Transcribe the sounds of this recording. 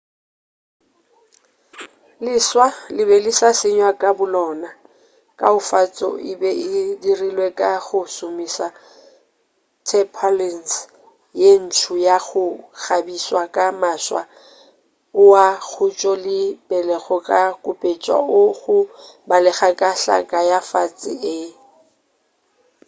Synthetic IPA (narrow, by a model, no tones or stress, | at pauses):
lɪswalɪβɛlɪsasɪɲwakʼabʊlɔːna | kʼaʊfat͡sʼɔ̰ɪbɛʔɪdirilwekʼaɣʊsʊmisa | tʰɛpʰalɛns | jen̩tʰʊjaɣʊɣabiswakʼamaswa̰ | ʊwaɣʰʊt͡ʃʼɔlɪbɛlɛɣɔkʼakʼʊpʼet͡ʃʼwa̰ʊɣʊbalɛɣakʼaɬa̰kʼajafat͡sʼɪ̰ɪ